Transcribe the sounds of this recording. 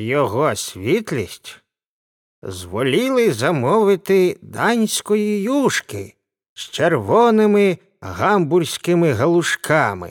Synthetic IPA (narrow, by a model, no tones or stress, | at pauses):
jɔɣɔsʲʋʲit̪lʲisʲtʲ | zʋɔlʲilˠɪzɐmɔʋɪt̪ɪd̪ɑnʲsʲkɔjijuʃkɪ̰ | st͡ʃerʋɔnɪmɪ | ɦamburʲsʲkɪmɪɦɐlˠʊʃkʰɑmɪ̰